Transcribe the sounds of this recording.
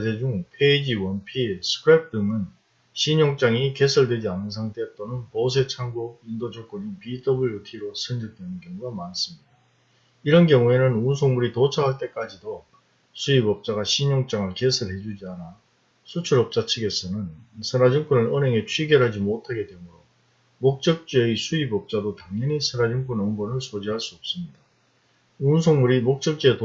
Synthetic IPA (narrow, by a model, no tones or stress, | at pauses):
d͡ʑed͡ʑuŋpʰe̞id͡ʑiwʌnpʰisʰɯ̥pʰɾep̚t͈ɯŋɯn | ɕʰiɲoŋt͡ɕ͈aŋike̞sʰɯɭdwe̞d͡ʑianɯns̬ʰaŋtʰeʌt̚t͈ʌnɯnpʌs̬ʰe̞t͡ɕʰaŋɡoindod͡ʑʌk͈oɲipidʌbuɭjutʰiɾosʰɯnd͡ʑʌk̚t͈wenɯnkjʌŋuɡamans͈ɯmɲid̥a | iɾʌnkjʌŋue̞nɯnunsʰoŋmuɾitot͡ɕʰaɦaɭt͈e̞k͈ad͡ʑido | sʰuibʌp̚t͡ɕ͈aɡaɕʰiɲoŋt͡ɕ͈aŋɯɭkesʰɯɭɦe̞d͡ʑud͡ʑiana | sʰut͡ɕʰuɾʌp̚t͡ɕ͈at͡ɕʰɯɡe̞sʰʌnɯnsʰɯɾad͡ʑuŋk͈ʰunɯɾɯnɦe̞ŋe̞t͡ɕʰwiɡjʌɾɦad͡ʑimotʰaɡe̞dwe̞muɾo | mok̚t͡ɕ͈ʌk̚t͡ɕ͈eisʰuibʌp̚t͡ɕ͈adotaŋɲʌɲisʰɯnad͡ʑuŋk͈unʌŋbonɯɭsʰod͡ʑiɦaɭs͈uʌp̚s͈ɯmɲida | unsʰoŋmuɾimok̚t͡ɕ͈ʌk̚t͡ɕ͈ieto